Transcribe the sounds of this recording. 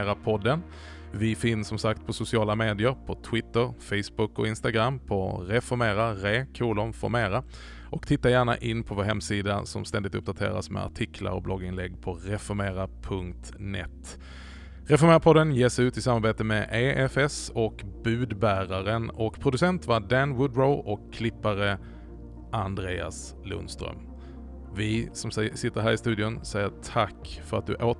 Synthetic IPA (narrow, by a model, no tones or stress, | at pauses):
ɾapʰɔd̪ːən | vɪfɪnsːɔmsakt̪̚pʰɔsʊsɪɑːlameːd̪ɪəɾpʰɔt̪ʰwɪt̪ːəɾfɛjsbʊkːɔ̰ɪnst̪aɡɾamːpʰɔɾɛfɔɾmeːɾaɾeːkʰuːlɔmfɔ̰ɾmeːɾa | ʔɔkt̪ʰɪt̪ːajæːɳa̰ʔɪnːpʰɔvoːɾɦɛmsiːd̪asɔmst̪ɛnd̪ɪt̪ɵp̚ːd̪at̪ʰḛːɾa̰smɛ̰a̰ʈʰɪkʰla̰ɾɔ̰blɔɡːɪnlɛɡːpʰɔɾɛfɔɾmeːɾapʰɵŋkt̪ | nɛ̰t̪ | ɾɛfɔɾmeːɾapʰɔd̪ənjeːsʉ̟ːt̪ɪsamːaɾbeːt̪əmɛʔeːʔɛfɛsɔkbʉ̟ːd̪bæːɾaɾənɔkpʰɾʊd̪ɵsɛnt̪vaɖænwʊd̪ɾoʊʔɔkʰːlɪpːaɾə | ʔand̪ɾeːa̰s | lɵ̰nst̪ɾœ̰m | vɪsɔmsɪt̪ːəɾɦæːɾɪst̪ʉ̟d̪ɪʊnsɛjəʈʰakːfœɾat̪̚d̪ɵʔoː